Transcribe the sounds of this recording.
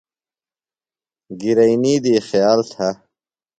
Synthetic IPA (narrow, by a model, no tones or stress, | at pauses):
ɡiɾɐiniːd̪iːxjaːlt̪ʰa